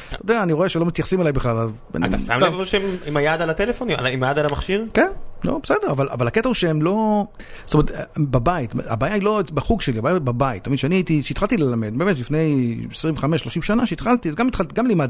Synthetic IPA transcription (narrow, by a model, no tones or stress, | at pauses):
tod̪eaːniʁo̞e̞ʃelomit̪jaχsimalajbeχlalaz | a̰a̰t̪asa̰mlevvaʃeimimajad̪alat̪elefonia̰imajad̪alamaχʃiʁkenlo̰besedeʁavalʔa̰valaket̪ahuʃeemlo̞ | stometbabait̪a̰baːjailo̞ebaχuɡʃeliabaːjababait̪ːamid̪ʃeaniajit̪iʃeit̪χalt̪ilelamed̪beːmet̪lifne̞jesʁiɱveχameʃlo̞ʃimʃanaʃeit̪χalt̪izeɡamit̪χalt̪iɡamlimad̪